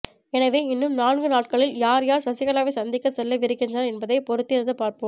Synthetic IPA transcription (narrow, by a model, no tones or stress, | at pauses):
ɛnɐʋeːɪnːɯmnaːnɡɯnaːʈ̚kɐɭɪljaːɾjaːɾsɐsɪɣɐɭaːʋeːsɐnd̪ɪkːɐsɛlːɐʋɪɾɯkːɪndɐnɐɾɛnbɐðɐɪpɔɾɯt̪ːɪɐnðɯpaːɾpɯm